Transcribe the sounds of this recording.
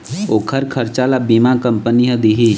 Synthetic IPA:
oːkʰəɾkʰəɾt͡ʃalabimakəmpənijəd̪iɦi

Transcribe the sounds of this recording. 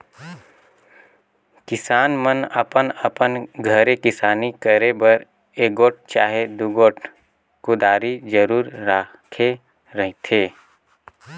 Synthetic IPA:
kɪsaːnmənəpənəpənɡʱəɾekɪsaːnikəɾebəɾ | eːɡoːʈ̚t͡ʃaːɦed̪uɡoːʈ | kʊd̪aːɾid͡ʒəɾuːɾːaː | kʰe | ɾəɦt̪ʰeː

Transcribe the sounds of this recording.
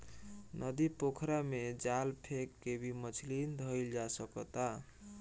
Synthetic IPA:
nʔʌd̪ipokʰɾamed͡zalpʰekːebimʌt͡sʰlind̪ʱʌjld͡zasʌkʌt̪a

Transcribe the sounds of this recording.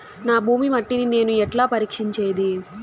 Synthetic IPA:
naːbʱuːmimɐʈːinine̞ːnuɛʈlaːpɐɾiːkʂiɲt͡ʃeːd̪i

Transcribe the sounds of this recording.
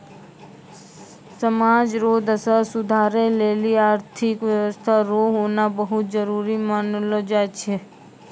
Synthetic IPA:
səmad͡ʒɾod̪əsəsʊd̪ʱaɾeleliaɾt̪ʰikʋjəʋəst̪ʰaɾoɦonabəɦut̪d͡ʒəɾuɾimanlod͡ʒat͡ʃʰe

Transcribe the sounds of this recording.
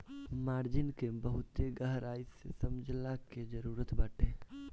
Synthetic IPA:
maːɾd͡ʒɪnkebəɦʊt̪eɡəɦɾaːisesɐmd͡ʒʱlaked͡ʒəɾuːɾət̪bəʈʰẽː

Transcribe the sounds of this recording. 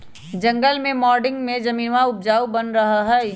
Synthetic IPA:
d͡ʒɐ̃ŋɡəlmẽmɔːɾɖɪ̃ŋɡmẽd͡ʒɐmiːʋaʊp̚d͡ʒaːubənɾɐɦaɦɛ

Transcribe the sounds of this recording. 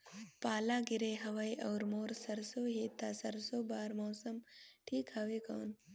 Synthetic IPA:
paːlaːɡiɾeɦɐʋajʔɐwɾmoːɾsɐɾsoɦeːt̪asɐɾsoːbaːɾmɔːsɐmʈʰiːkhɐʋekɐ̰ːn

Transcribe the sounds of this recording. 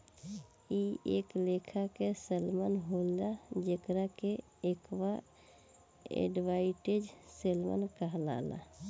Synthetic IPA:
ieklekʰakeselmənɦolad͡ʒekɾake | ekwa | ḛɖʋaɪʈed͡ʒselmə̰nkəɦla̰la̰

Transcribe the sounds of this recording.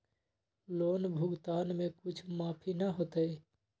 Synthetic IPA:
loːnbʱʊɡt̪aːnmẽkʊt͡ʃʰmaːpʰinəɦoːt̪əj

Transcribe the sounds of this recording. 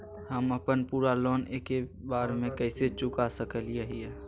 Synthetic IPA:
həməpənpuːɾalɔːneːkebaːɾmẽkəɪset͡ʃʊkasəkəlijeɦijɛː

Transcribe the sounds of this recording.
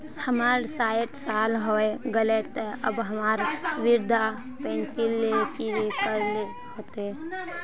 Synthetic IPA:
həmaːɾsaːɪʈsaːlɦoeɡəlet̪ɛə̰bɦəmaːɾʋɪɾd̪ʱa | pɛ̃ːnsilːekiekəɾle | hoːt̪eɦɛ

